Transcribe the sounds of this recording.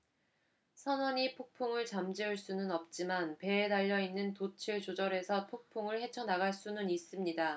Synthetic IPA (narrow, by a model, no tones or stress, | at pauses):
sʰʌnwʌɲipʰok̚pʰoŋɯɭt͡ɕamd͡ʑiuɭs͈unɯnʌp̚t͡ɕ͈imanpe̞ːdaʎːʌinːɯntot͡ɕʰiɭd͡ʑod͡ʑʌɾe̞sʰʌpʰok̚pʰoŋɯɭhe̞t͡ɕʰʌnaɡaɭs͈unɯnis͈ɯmɲida